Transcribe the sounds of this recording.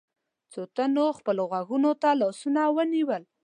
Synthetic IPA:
t͡sot̪anoxpəloɣwaɡunot̪alɔsunawəniwəl

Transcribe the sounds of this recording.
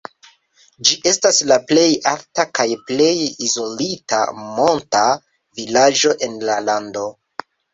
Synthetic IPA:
d͡ʒiʔe̞staslaple̞jaltakajple̞jizo̞lita̰mo̞nta | vilad͡ʒo̞ʔe̞nlalando̞

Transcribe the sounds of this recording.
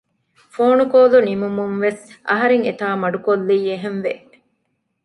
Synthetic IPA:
foːnukoːlunimumuŋʋesɐ̰ɦɐɾeŋet̪aːmɐɖukolːiːeɦenʋe

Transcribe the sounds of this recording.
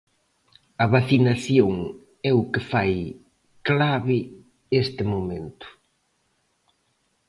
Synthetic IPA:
ɐβaθinaθjoŋ | ɛʊkefaj | klaβɪ | est̪ɪmomẽnt̪ʊ̥

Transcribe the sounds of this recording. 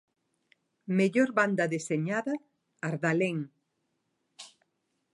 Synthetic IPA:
meʎoɾβand̪ɐðeseɲaðɐ | aɾðaleŋ

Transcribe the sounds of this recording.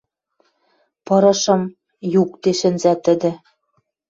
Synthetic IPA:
pɤ̆ɾɤ̆ʃɤ̆m | juk̚t̪eʃɘ̆nzæt̪ɘ̆d̪ɘ̆

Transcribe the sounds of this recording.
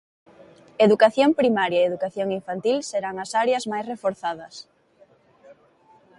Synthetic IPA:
eðukaθjompɾimaɾjɐeeðukaθjoŋiɱfant̪ilseɾaŋɐsaɾeɐzmajsrefoɾθaðɐs

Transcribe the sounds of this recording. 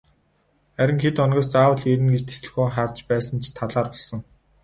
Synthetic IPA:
χæɾʲɪ̆ŋxet̪ɔnɡʲɔːst͡saːwə̆ɮeɾɘ̆nɡet͡ɕt̪ʰe̥sɮɘ̥̆xuːχart͡ɕpæːsə̆nt͡ɕʰt̪ʰaɮaːrpɔɮsɞ̆ŋ

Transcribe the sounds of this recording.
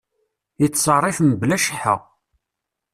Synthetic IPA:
it͡sːsˤɑrˤːifəmblæʃəħə̰

